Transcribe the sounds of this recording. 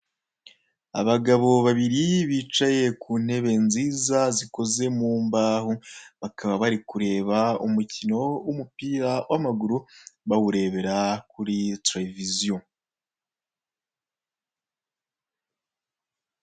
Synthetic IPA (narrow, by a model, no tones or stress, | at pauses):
a̰βaɡaβo̞βaβiɾiβiːt͡ʃaje̞kuːn̥he̞βe̞nziːzaziko̞ze̞muːmbaːhuβakaβaβaɾikuɾe̞ːβaumucino̞wumupiːɾawʔamaɡuɾuβawuɾe̞ːβe̞ɾakuɾiteɾevizio